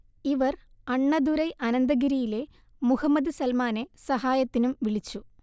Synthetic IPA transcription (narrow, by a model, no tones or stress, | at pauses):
iʋɐr | ɐɳːɐd̪uɾɐjʔɐnɐnd̪ɐɣiɾijile̞ | muhɐmːɐd̪ɨsɐlmaːne̞sɐɦaːjɐt̪ːinumʋiɭit͡ɕːu